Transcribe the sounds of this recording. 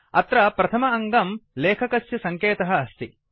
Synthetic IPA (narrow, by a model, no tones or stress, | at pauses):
ɐt̪ɾɐpɾɐt̪ʰɐmɐɐŋɡɐmleːkʰɐkɐsjɐsɐŋkeːt̪ɐɦɐːst̪i